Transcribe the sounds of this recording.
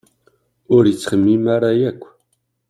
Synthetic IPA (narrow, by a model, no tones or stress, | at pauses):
ʊɾjət͡sːχəmːimaɾajækʷː